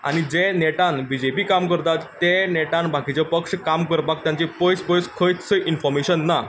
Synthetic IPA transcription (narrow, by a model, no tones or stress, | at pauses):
a̰ñid͡ʑeneʈanbid͡ʑepiːkamkəɾt̪at̪ːẽneʈãnbʱakʰit͡ɕepəkʂkamkəɾbak̚t̪jãɲt͡ɕepɔjspɔjskʰəjt̪səʔinfɔɾmeɕənːa